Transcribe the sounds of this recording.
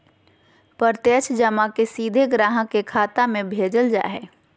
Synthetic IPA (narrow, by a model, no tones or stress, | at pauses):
pəɾt̪jət͡ʃʰd͡ʒəmakesiːd̪ʱeɡɾaːɦəkekʰaːt̪amẽbʱeːd͡ʒəld͡ʒa̰ːɦɛː